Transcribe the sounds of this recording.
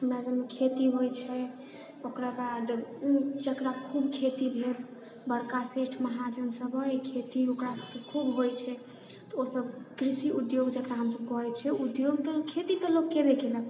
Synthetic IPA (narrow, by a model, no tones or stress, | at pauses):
ɦəmɾasəbmekʰet̪iɦojt͡ʃʰɛ | okɾabad̪ | d͡ʒəkɾakʰubkʰet̪ibʱeɾ | bəɽkaseʈʰməɦad͡ʒənsəbəikʰet̪iokɾasəbkekʰubɦojt͡ʃʰɛ | t̪ɔosəbkɾisiud̪joɡd͡ʒəkɾaɦəmsəb̚kɔɦɛt͡ʃʰɛud̪joɡt̪əkʰet̪it̪əlokkebekenə